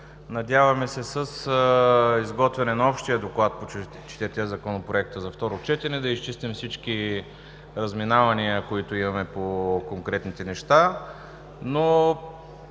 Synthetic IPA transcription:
nɐd̪ʲjavɐmɛsɛsəs | izɡɔt̪vɛnɛnɐɔpʃt̪ijəd̪oklˠat̪̚po | t͡ʃɛ̥t̪iɾt̪iəzɐkɔnopɾoɛk̚t̪əzɐft̪ɔɾot͡ʃɛt̪ɛnɛd̪ɐist͡ʃist̪ɛmsit͡ʃki | ɾəzminavɐniəkoit̪oimɐmɛpokoŋkɾɛt̪nit̪ɛnɛʃt̪a | no

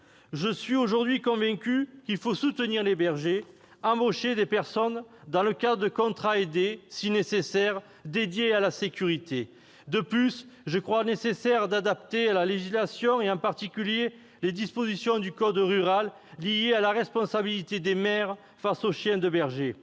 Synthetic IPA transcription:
ʒəsɥioʒuʁd̪ɥikɔ̃vɛ̃kʲykilfosut̪əniʁlebɛʁʒe | ɑ̃boʃed̪epɛʁsɔnd̪ɑ̃ləkad̪ʁəd̪əkɔ̃t̪χaed̪esinesesɛʁ | d̪ed̪jealasekʲyʁit̪e | d̪əplysʒəkχwanesesɛʁd̪ad̪ap̚t̪ealaleʒislasjɔ̃eɑ̃paʁt̪ikʲylje | led̪ispozisjɔ̃d̪ykɔd̪ʁyʁalː | ijealaʁɛspɔ̃sabilit̪ed̪emɛʁ | fasoʃjɛ̃d̪əbɛʁʒe

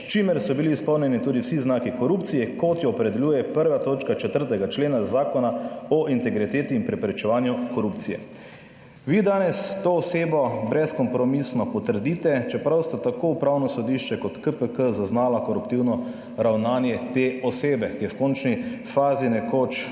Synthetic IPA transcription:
st͡ʃimɛɾsɔbiliːspɔwnjɛnit̪uːd̪iwsiznaːkikɔɾupt̪sijɛkɔt̪jɔːpɾɛd̪ɛljuːjɛpəɾʋat̪oːt͡ʃkat͡ʃɛt̪əɾt̪ɛɡat͡ʃleːnazaːkɔnaɔʔint̪ɛɡɾit̪eːt̪iːnpɾɛpɾɛt͡ʃɛʋaːnjukɔɾupt̪sijɛ̰ | ʋid̪aːnɛst̪oːseːbɔbɾɛskɔmpɾɔmisnɔpɔt̪əɾd̪iːt̪ɛt͡ʃɛpɾawst̪at̪akoːupɾawnɔsɔd̪iʃt͡ʃɛkɔt̪kəpəkəzaznaːlakɔɾupt̪iwnɔ | ɾawnaːnjɛt̪eɔseːbɛkijɛwkɔːnt͡ʃnifaːzinɛkoːt͡ʃ

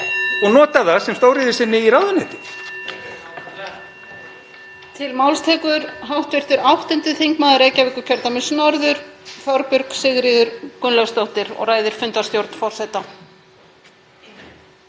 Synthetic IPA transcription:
ɔɣnɔːt̪aθaðsɛmst̪oːwɾɪðɪsɪnːɪiɾawðanɛːt̪ɪ | t̪ʰɪlmawlst̪ʰɛːkʏɾɦawht̪vɪr̥t̪ʏɾawht̪ɛnt̪ɪθiŋkmaːðʏɾeːjcavɪkʏɾcʰœɾt̪amɪsʏnɔɾðʏɾ̥fjɔɾpʏɾksɪɣɾɪːðʏɾkʏnlast̪owht̪ɪɾɔ̰ɣraːjðɪɾ̥fʏnt̪ḁst̪jowɾt̪nfɔr̥sɛt̪a

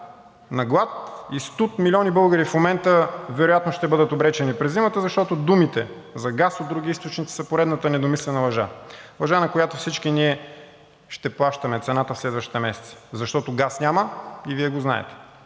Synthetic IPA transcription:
nɐɡlˠat̪ist̪ut̪milʲiɔnibɤlˠɡəɾifmomɛnt̪əvɛɾojat̪noʃt̪ɛbɤd̪ət̪obɾɛt͡ʃɛnipɾɛzːimət̪əzɐʃt̪ɔt̪od̪umit̪ɛ | zɐɡasod̪d̪ɾuɡʲiist̪ot͡ʃnit̪i̥sɐpoɾɛd̪nət̪ənɛd̪omislɛnəlˠɐʒa̰lˠɐʒanɐkojat̪ofsit͡ʃkiniɛ | ʃt̪ɛplˠaʃt̪əmɛt̪sɛnat̪əfslɛd̪vəʃt̪i̥t̪ɛmɛsɛ̥t̪si̥zɐʃt̪ɔt̪oɡasnʲaməiviɛɡozna̰ɛ̰t̪ɛ̥

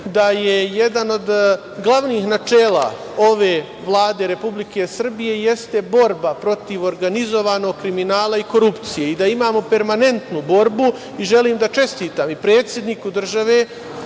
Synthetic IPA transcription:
d̪aje̞jed̪ano̞d̪ | ɡlˠaʋniːxnat͡ʃeːla̰ | o̞ʋe̞ː | ʋlˠaːd̪eɾe̞publike̞sr̩bije̞je̞st̪e̞bo̞ɾbapɾo̞t̪iʋo̞ɾɡanizo̞ʋaːno̞ɡkɾiminaːlˠaiko̞ɾupt̪sije̞id̪aimaːmo̞pe̞ɾmane̞nt̪nubo̞ɾbu | iʒe̞liːmd̪at͡ʃe̞st̪iːt̪aːmipɾe̞ːt̪sʲje̞d̪niːkud̪r̩ʒaʋeː

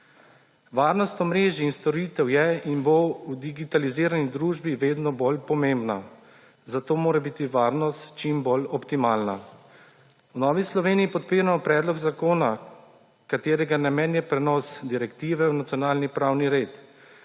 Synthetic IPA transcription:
ʋaːɾnɔst̪ɔmɾeːʒiːnst̪ɔɾit̪ɛwjɛinbowd̪iɡit̪aliziːɾanid̪ɾuːʒbiʋeːd̪nɔbolpɔmembna | zat̪oːmoːɾɛbiːt̪iʋaːɾnɔst̪t͡ʃimbolɔpt̪imaːlna | wnɔːʋislɔʋeːniːpɔt̪̚piːɾamɔpɾɛːd̪lɔɡzakoːna | kat̪eːɾɛɡanɛmɛnjɛpɾɛnɔsd̪iɾɛkt̪iːʋɛwnat̪sijɔnaːlnipɾawniɾeːt̪

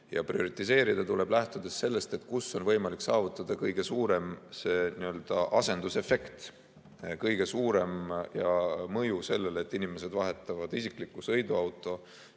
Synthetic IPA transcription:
jɑ̰prio̞ɾit̪ːˑise̞ːɾid̪̥ɑt̪ule̞blæht̪ud̪̥e̞sːe̞lːe̞st̪e̞t̪ˑkusːo̞nvɤjmɑliksɑːvut̪ˑːɑd̪̥ɑkɤjɡ̥e̞suːɾe̞mse̞niø̞ld̪̥ɑʔɑse̞nd̪̥use̞fe̞kt̪ | kɤjɡ̥e̞suːɾe̞mjɑmɤjuse̞lːe̞let̪ːˑinime̞se̞d̪̥vɑɦe̞t̪ːˑɑvɑd̪isikˑlikːˑusɤ̞jd̪uɑwt̪ːˑo̞

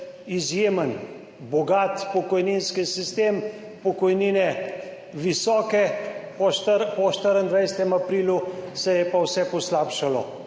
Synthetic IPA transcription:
izjeːmən | bɔɡat̪pɔkɔjninskisist̪em | pɔkɔjniːnɛ | ʋisɔːkɛpɔʃəɾpɔʃt̪əɾənd̪ʋajsɛt̪ɛmapɾiːlusɛjɛpawsɛpɔslaːpʃalɔ̰

